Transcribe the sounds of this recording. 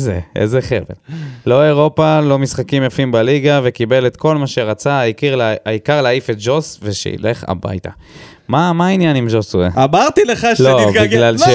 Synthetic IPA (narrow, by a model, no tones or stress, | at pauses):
zeḛzeχḛvḛllo̞eʁo̞palo̞misχakimjafimbaliɡave̞kibe̞let̪ko̞lmaʃeʁat͡saaikiʁlaikaʁleaifet̪̚d͡ʒo̞sveʃḛḭleχa̰ba̰jt̪a̰ | mamainjanimʒosueamaʁt̪ileχalobiɡɡlalʃe